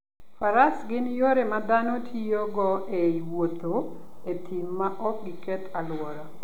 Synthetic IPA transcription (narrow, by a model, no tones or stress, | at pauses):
faɾasɡɪnjoɾemad̪anotʰijoɡɔeiwot̪oet̪ʰimːaʔɔk̚ɡɪkɛt̪ʰalwɔɾa